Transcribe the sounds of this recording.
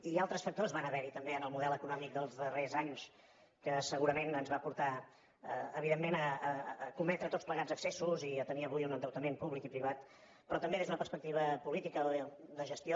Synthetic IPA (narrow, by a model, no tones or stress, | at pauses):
ialˠt̪ɾəsfək̚t̪ozβanəβɛɾit̪əmbeənəlˠmuðɛlˠəkunɔmik̚d̪əlˠzðərezaɲs | kəsəɣuɾəmenənzβapuɾt̪a | əəβ̞iðemːenəːkumɛt̪ɾət̪ot͡spləɣad͡zəksesuziət̪əniəβujunənd̪əwt̪əmempuβlikipɾiβ̞at̪ | pɾɔt̪əmbeðezunəpəɾspək̚t̪iβ̞əpulit̪ikəðəʒəst̪io